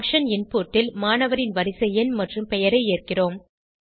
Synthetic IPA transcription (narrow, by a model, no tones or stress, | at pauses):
kʂɐnɪnpoːʈːɪlmaːnɐʋɐɾɪnʋɐɾɪsɐjɐnmɐʈrɯmpɛjɐɾɐɪeːrkɪroːm